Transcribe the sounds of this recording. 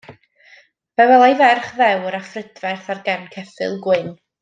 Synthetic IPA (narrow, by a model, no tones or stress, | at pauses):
vɛwɛlˠajvɛrχðɛwɾafrədvɛrθarɡɛnkʰɛfɨ̰lˠɡwɪn